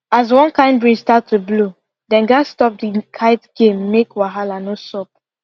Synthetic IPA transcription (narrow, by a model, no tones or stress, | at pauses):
az̬wɔ̃nkãɪ̃ndbɹistatʰːublo | dɛ̃nɡastɔp̚dikʰaɪtɡ̥ẽmːekwaɦalanosɔp̚